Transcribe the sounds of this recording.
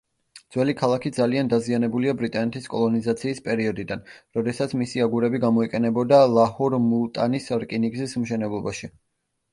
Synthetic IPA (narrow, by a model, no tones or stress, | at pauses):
d̪z̥wɛlikʰalˠakʰid̪zaliand̪azianɛbuliabɾit̪ʼanɛt̪ʰiskʼɔlˠɔnizat̪sʰiːspʼɛɾiɔd̪id̪anɾɔd̪ɛsat̪sʰmisiaɡuɾɛbiɡamɔikʼɛnɛbɔd̪alˠahuɾmulˠt̪ʼanisɾkʼiniɡzismʃɛnɛblˠɔbaʃi